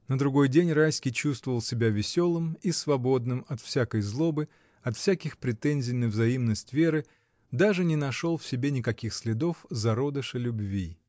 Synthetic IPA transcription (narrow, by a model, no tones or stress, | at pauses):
nəd̪ɾʊɡo̞jdʲenʲrajsʲkʲɪjt͡ɕust̪vəvəlˠsʲɪbʲavʲɪsʲo̞lˠɨmisvɐbo̞d̪̚nɨmɐt̪fsʲakəjzlˠo̞bɨ | ɐt̪fsʲækʲɪxpɾʲɪt̪enʲzʲɪjnɨjvzɐimnəsʲtʲvʲe̞ɾɨ | d̪aʐɨnʲɪnɐʂo̞lˠfsʲɪbʲenʲɪkɐkʲixsʲlʲɪd̪o̞fzɐɾo̞d̪əʂɨlʲʊbvʲi